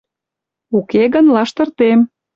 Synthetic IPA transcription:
ukeɣənlɑʃt̪ə̆rt̪em

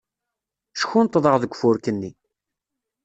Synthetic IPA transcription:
ʃə̥çunt̪ˤːðˤəʁðəɡʷːfʊɾkənːi

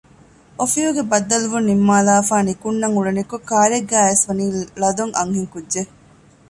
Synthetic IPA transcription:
ofijuɡebɐd̪ːɐluʋunːimːaːlaːfaːnikunːɐŋuɭɐnikokaːɾeɡːæːesʋɐniːlɐd̪uŋɐ̰ŋhiŋkudʒe

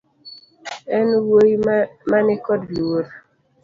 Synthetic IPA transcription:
ɛnwojmanɪkɔdloɾ

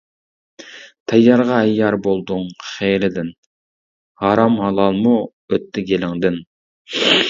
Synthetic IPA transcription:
t̪ʰɛjːɑɾʁɑɛjːɑɾbolˠd̪ʊŋχeːlɪd̪ɪn | hɑɾɑmhɑlˠɑlˠmu | øt̪ʰːɪɡʲelɪŋd̪ɪn

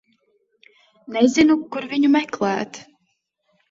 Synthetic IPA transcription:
nɛzʲinukuɾviɲumɛklˠæːt̪

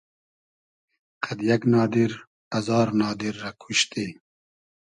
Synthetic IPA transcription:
qʰad̪jɐknɑːd̪iɾ | ɐzɑːɾnɑːd̪iɾːakʰuʃt̪i

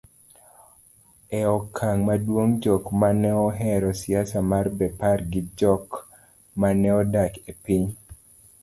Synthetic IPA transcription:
ɛɔkʰaŋmadwoŋd͡ʒɔkmanɛɔɦɛɾɔsiasamarbɛparɡɪd͡ʒɔk | manɛɔdakepiɲ

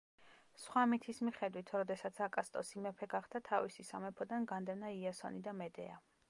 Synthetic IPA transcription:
sχwamit̪ʰismiχɛd̪wit̪ʰɾɔd̪ɛsat̪sʰakʼast̪ʼɔsimɛpʰɛɡaχd̪at̪ʰavisisamɛpʰɔd̪anɡand̪ɛnaiasɔ̰nid̪amɛd̪ɛ̰a̰

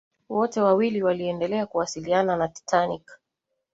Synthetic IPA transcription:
wɔtɛwawiliwaliɛndɛlɛakuwasiliananati̥tʰanik

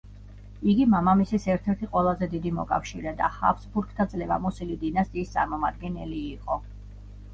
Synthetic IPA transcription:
iɡimamamisisɛɾt̪ʰɛɾt̪ʰiqʼwɛlˠazɛd̪id̪imɔ̰kʼa̰fʃiɾɛd̪a̰ha̰vsbuɾkʰt̪ʰad̪zʼlɛva̰mɔsilid̪inast̪ʼiːst̪sʼaɾmɔmad̪̚ɡɛnɛ̰liːqʼɔ

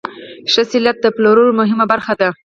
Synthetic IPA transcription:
ʃəsɪljat̪̚d̪əploɾunomʊɦɪmabaɾxad̪a

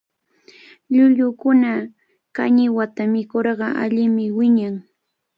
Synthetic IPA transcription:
ʎʊʎʊkʊna | kaɲɪwat̪amɪkoɾɢɑʔa̰ʎɪmɪwɪɲaŋ

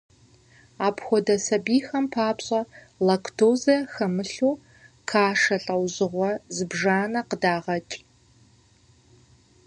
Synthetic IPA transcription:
aːpʰxʷɔdɐsɐbiːxɐmpʰaːpɕʼɐ | lɐkʰtʰoːzɐxɐmɨɬuː | kʰaːʂɐɬʼɐwʑɨʁʷɔzɨbʐaːnɐqədaːʁɐt͡ʃʼ

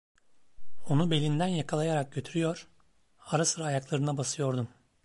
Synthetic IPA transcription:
o̞nube̞lʲind̪ænjakʰalˠajaɾak̚ɟø̞t̪ʰyɾyjoɾ̥ | aɾasɯɾaːjaklˠaɾɯnabasɯjo̞ɾd̪um

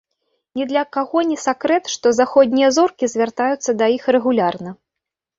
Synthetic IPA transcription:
nʲɛd̪lʲɐkaɣɔnʲɛsʲakɾɛt̪ʂt̪ɔzaxɔd̪ʲnʲijɐzɔrkʲizʲvʲart̪ajut̪sːɐd̪ɐixrɛɣulʲarnɐ

